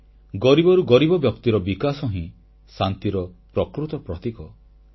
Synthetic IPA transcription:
ɡɔɾibɔɾuɡɔɾibɔbjɔk̚t̪iɾɔbikasɔɦĩ | sant̪iɾɔpɾɔkɾut̪ɔpɾɔt̪ikɔ

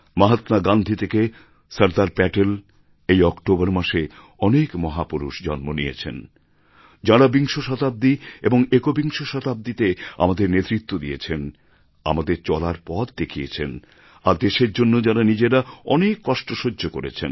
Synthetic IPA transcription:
maɦat̪naɡand̪ʱit̪ʰeke | səɾd̪aɾpɛʈel | ejɔkʈobəɾmaʃe | ɔnekmɔɦapuɾuʃd͡ʑɔnmonijet͡ɕʰḛn | d͡ʑaɾabiŋʃoʃɔt̪ab̚d̪ieboŋekobiŋʃoʃɔt̪ab̚d̪it̪ea̰mad̪eɾnet̪ɾit̪ːod̪ijet͡ɕʰen | a̰mad̪eɾt͡ɕɔlaɾpɔt̪d̪ekʰiet͡ɕʰen | aɾd̪eʃeɾd͡ʑonːod͡ʑaɾanid͡ʑeɾaɔnekːɔʃʈoʃodʱːokoɾḛt͡ɕʰḛn

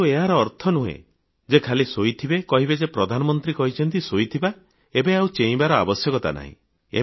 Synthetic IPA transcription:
ueɦaɾɔːɾt̪ʰɔnuɦḛ | d͡ʒekʰalisojt̪ʰibekɔɦibed͡ʒepɾɔd̪ʱanɔmɔnt̪ɾikɔɦit͡ʃʰɔnt̪isojt̪ʰiba | ebeaut͡ʃeĩbaɾɔa̰bɔsjɔkɔt̪a̰na̰ɦḭ̃ | ḛ

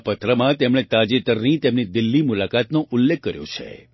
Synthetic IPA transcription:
pət̪ɾəmãt̪emɽ̃et̪ad͡ʒet̪əɾnit̪emnid̪ɪlːimʊlakat̪noʔʊlːekʰːəɾjo̰t͡ʃʰḛ

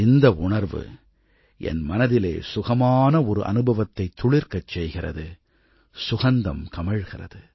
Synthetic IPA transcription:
ɪnd̪ɐʊɳɐɾʋɯ̰ | ʔɛ̰nmɐnɐðɪlḛːsʊɣɐmaːnɐɔɾɯʔɐ̰nɯbɐʋɐt̪ːɐɪt̪ːʊɭɪɾkɐt͡ʃːɛjɣɪrɐ̰ðɯ | sʊɣɐnd̪ɐmkɐmɐɻɣɪrɐ̰ðɯ

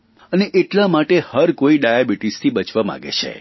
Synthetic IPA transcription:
əneʔeʈlamaʈehəɾkoiɖajabiʈist̪ʰibət͡ʃʋamã̰ɡḛt͡ʃʰḛ

